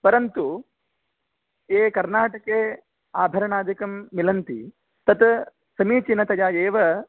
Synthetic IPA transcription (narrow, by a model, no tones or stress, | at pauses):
pɐɾɐnt̪u | eːkɐɾnaːʈɐkeː | aːbʱɐɾɐɳaːd͡ʒ̪ɐkɐmːilɐnt̪ḭ | t̪ɐt̪ | sɐmiːt͡ʃinɐt̪ɐjaːjeːʋɐ